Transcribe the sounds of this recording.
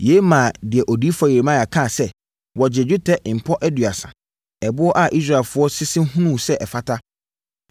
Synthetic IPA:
je˨˦mã˨dɪ˨ɛ˨ʔɔ˨di˦fa˨ji˨ɾe˨mã˦˨a˨kʰã˦˨sɛ˦ | wɔ˨d͡ʑɪ˨d͡ʑᶣu˦tʰɛ˦ʔm̩˨pʰɔ˦ʔɛ˦dɥa˨sã̰˨ | ɛ˨bʊ˦ɔ˦ʔa˨ʔi˦s̬ɾa˨ɛ˨lfʊ˦ɔ˦sɪ˦sɪ̃˦hũ˦nũ˦˨sɛ˦ʔɛ˨fa˦tʰa˦

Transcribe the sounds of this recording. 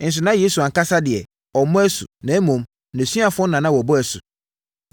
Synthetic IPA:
n̩˨s̬ʊ˨nã˦je˦su˨ã˨ŋka˦sa˦dɪ˨ɛ˨ | ɔ˨˦mɔ̃˦æ˦sʊ˨nɛ̃˨˦mõ˨m | næ̃˨sɥa˨fɔ̃˦nã˨nã˦wɔ˨bɔ˦æ˨sʊ˨

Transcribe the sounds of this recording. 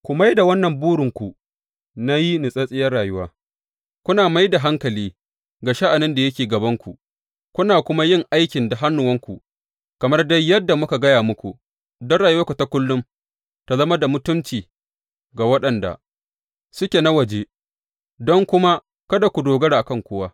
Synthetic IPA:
kʷu˨ma˦jda˨wɐ˦nːɐ˨mbuː˦ɽɪ˨ŋkʷu˨ | na˦ji˦nɪ˨sʼɐ˦sʼɪ˦jɐ˦raː˨jʊ˦waː˦ | kʷʊ˦naː˨ma˦jda˨ɦa˦ŋkɐ˨liː˦ | ɡaː˨ʃa˦ʔa˨nɪ˦nda˨jɐ˦kʲeː˨ɡɐ˨bɐ˦ŋkʷu˨ | kʷʊ˦naː˨kʷʊ˦ma˦jɪ˦˨ŋʔa˦jkʲɪ˨nda˨ɦa˦nːʊ˨wɐ˦ŋkʷṵ˨ | kɐ˨mɐ˦rdɐ˦jːɐ˦dːa˨mʊ˦ka˨ɡɐ˦jaː˨mʊ˦kʷu˨ | dɔ˦nɽaː˨jʊ˦wa˦kʷu˨ta˦kʷʊ˦lːʊ˦m | ta˨zɐ˦ma˦da˨mʊ˦tʊ˦mt͡ʃiː˨ | ɡa˨wɐ˦ɗɐ˨nda̰˨ | sʊ˦kʲe˨na˦wɐ˨d͡ʒe˦ | dɔ˦ŋkʷʊ˦ma˦ | kɐ˦da˨kʷu˨doː˨ɡɐ˦ɽaː˨ʔa˨kɐ˦˨ŋkʷʊ˦waː˦

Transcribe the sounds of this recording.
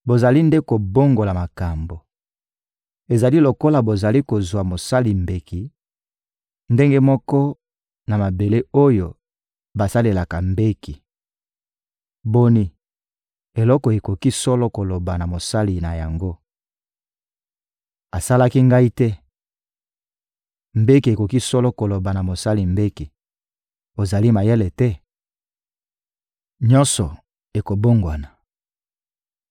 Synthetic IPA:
bo˨za˨li˦nde˦ko˨bo˦ŋɡo˨la˨ma˨ka˨mbo˨ | e˨za˨li˦lo˨ko˦la˨bo˨za˨li˦ko˨zwa˨mo˨sa˦li˨mbe˨ki˨ | nde˦ŋɡe˦mɔ˦kɔ˦ | na˨ma˨be˨le˦o˦jo˨ | ba˨sa˦le˨la˨ka˨mbe˦ki˨ | bo˦ni˨ | e˨lɔ˦kɔ˨e˨ko˨ki˦sɔ˦lɔ˦ko˨lo˨ba˨na˨mo˨sa˦li˨na˨ja˨ŋɡo˦ | a˨sa˦la˦ki˦ŋɡa˦i˦tɛ˦ | mbe˦ki˨e˨ko˨ki˦sɔ˦lɔ˦ko˨lo˨ba˨na˨mo˨sa˦li˨mbe˦ki˨ | o˨za˨li˦ma˨jɛ˦lɛ˨tɛ˦ | ɲɔ˦nsɔ˨ | e˨ko˨bo˦ŋɡwa˨na˨

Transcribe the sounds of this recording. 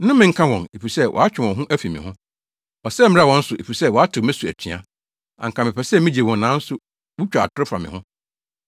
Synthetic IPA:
nʊ̃˦mɪ̃˨ŋ̩˦kʰã˦wɔ̃˨ne˨fi˨sɛ˦wʔɔ̰˨a˦t͡ɕᶣɪ˨wɔ̃˨ɦʊ̃˦ʔæ˦fi˨mɪ̰̃˨hʊ̃˦ | ɔ˨sɛ˦m˦a˦wɔ̃˨˦n̩˦sʊ˨e˨fi˨sɛ˦˨wɔ˨a˦tʰɪ˨mɪ̃˦su˨æ̰˨t͡ɕʰᶣĩ˨ã̰˦ | ã̰˨ŋ̩kʰã˨mɪ̃˨pʰɛ˨sɛ˦mɪ̃˦d͡ʑe˨wɔ̃˨n˨nã˨˦n̩˦sʊ˦ | wu˦t͡ɕᶣa˨a̰˨tʰʊ˦ɾɪ˦fɾa˨mɪ̰̃˨hʊ̃˦

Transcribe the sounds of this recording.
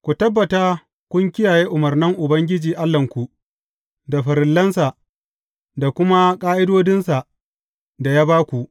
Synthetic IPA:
kʷu˨tɐ˦bːɐ˨ta˦ | kʷʊ˦ŋkʲɪ˦jaː˨jeː˦ʔʊ˨mɐ˨rnɪ˦ŋʔʊ˨bɐ˦ŋɡʲɪ˦d͡ʒiː˨ʔa˦lːɐ˨ŋkʷu˨ʔ | da˨ɸɐ˨ɾɪ˨lːɐ˦nsa˨ʔ | da˨kʷʊ˦ma˦kʼaː˦ʔɪ˦doː˦dɪ˦nsa˨ | da˨jaː˦baː˦kʷu˨ʔ

